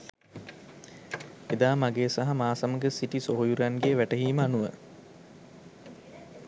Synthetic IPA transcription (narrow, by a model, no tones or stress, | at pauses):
ed̪aːmaɡeːsaɦamaːsaməɡəsiʈisoɦojuɾjanɡeʋæʈəɦiːməanuʋə̰